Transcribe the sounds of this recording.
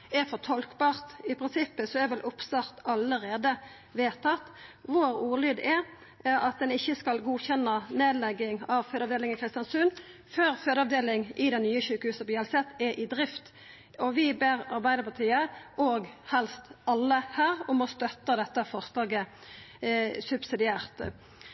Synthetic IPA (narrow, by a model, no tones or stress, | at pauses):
ɛfɔt̪ʰɔlkbɑːʁt̪ɪpʰʁɪnsɪpːəsɔɛʋɛlʔʊpsɑʁt̪ɑləɾeːd̪ə | ʋeːt̪ʰɑt̪ːʋoɾuːʁlyːd̪ɛ | ʔɑt̪̚d̪ɛnɪçːəskɑlɡuːçɛnːɑneːd̪lɛɡːɪŋɑʋføːd̪ɑʋd̪eːlɪŋɪkʰɾɪst̪jɑnsʉn | føːʁføːd̪əɑʋd̪eːlɪŋʔɪd̪ɛnnyːəçʉːkəhʉːsəpɔjɛlsɛt̪ɛʔɪd̪ʁɪft̪ | ɔʋɪbeːʁɑɾbæɪd̪əpʰɑt̪ʰiːəʔoːɡhɛlst̪ɑlːəhæːʁɔmɔst̪œt̪ːəd̪ɛt̪ːəfɔʁslɑːɡə | sʉbsɪd̪ɪæːʁt̪